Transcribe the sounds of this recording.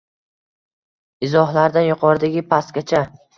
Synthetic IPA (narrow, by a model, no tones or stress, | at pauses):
ɪzɒhlaɾd̪anjʊqʰɒɾd̪aɡʲɪpʰast̪̚ɡʲat͡ʃʰa